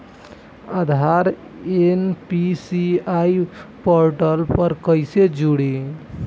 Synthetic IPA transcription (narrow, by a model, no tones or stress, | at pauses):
əd̪ʱaɾ | enpisiaipoɾʈəlpəɾkəɪsed͡ʒuɽi